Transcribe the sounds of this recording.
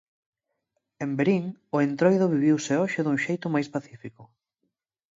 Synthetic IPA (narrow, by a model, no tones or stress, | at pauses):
embeɾiŋʊent̪ɾojðʊβiβ̞iwseɔʃɪðuŋʃejt̪ʊmajspaθifikʊ